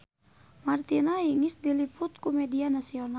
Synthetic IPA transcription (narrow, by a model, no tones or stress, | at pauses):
mart̪inaiŋisdilipʊt̪̚kumɛdianasiɔna